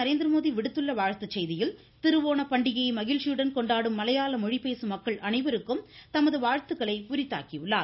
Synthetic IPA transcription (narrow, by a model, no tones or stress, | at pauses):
ɐɾeːnd̪ɾɐmoːðiʋɪɽɯt̪ːɯɭːɐʋaːɻt̪ɯt͡ʃːɛjðɪjɪl | t̪ɪɾɯʋoːnɐpɐɳɖɪɣɐjmɐɣɪlsjuːɽɐnkɔɳɖaːɽɯmːɐlɐjaːlɐmɔɻipeːsɯmɐkːɐɭʔɐnɐɪʋɪɾɯkːɯmt̪ɐmɐðɯʋaːɻt̪ɯɣɐɭɐɪʊɾɪt̪ːa̰ːkiʋɪɭːaːɾ